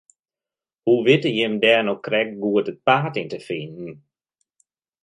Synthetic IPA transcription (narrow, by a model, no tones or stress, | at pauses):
huʋɪtəjɪmdɛːnɔkrɛk̚ɡuətət̚paːtintəfɪnn̩